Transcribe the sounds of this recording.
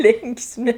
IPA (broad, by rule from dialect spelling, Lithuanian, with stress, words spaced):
ˈlʲɪŋksʲmʲɪ